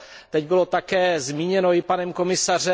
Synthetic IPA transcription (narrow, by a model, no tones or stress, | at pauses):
t̪ɛɟbɪlo̞t̪akɛːzmiːɲɛnojɪpanɛmko̞mɪsar̝ɛ